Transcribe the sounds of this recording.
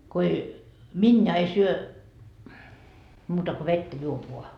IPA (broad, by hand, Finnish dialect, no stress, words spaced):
ko ei minjɑ ei syø muːtɑ ko ʋetːæ juop ʋoɑ